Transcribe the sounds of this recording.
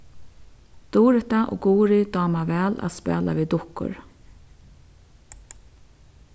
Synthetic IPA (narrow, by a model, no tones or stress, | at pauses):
d̪̥uːɾɪt̪aʔɔ̰ːɡuːɾɪd̪ɔːmavɛːla̰ðspɛ̰ːla̰viːd̪ʊhkʊ̰ɹ